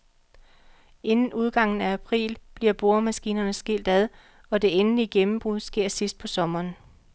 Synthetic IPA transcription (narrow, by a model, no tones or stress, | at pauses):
e̝nn̩uð̞ˠɡ̥ɑ̈ŋ̰n̩ææpʰʁḭːlb̥liɐ̰b̥o̝ːɐmæsɡ̥iːnɐnəsɡ̥e̝̰l̰d̥æðˠ | ɒ̽de̝enliɡ̥emm̩b̥ʁuðˠsɡ̥e̝ɐ̰sisd̥̚pʰɒ̽sɒ̽mɐːn